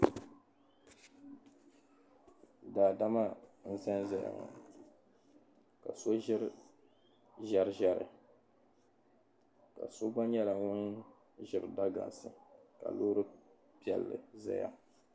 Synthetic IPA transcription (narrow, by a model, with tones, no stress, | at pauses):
daː˨da˦ma˦n̩˦zɛ˦nza˨ja̰˨ŋɔ̰˨ | ka˨so˦ʒɪ˦ɾ | ʒa˦ɾʒa˦ɾɨ̰˨ | ka̰˨so˦ɡ͡ba˦ɲɛ˦la˨ŋʊ˦n | ʒɪ˨ɾɨ˨da˦ɡa̰˨nsɨ˨ka̰˨loː˦ɾɨ˦ | pi˦ɛ˨lːɨ̰˨za̰˦ja̰˦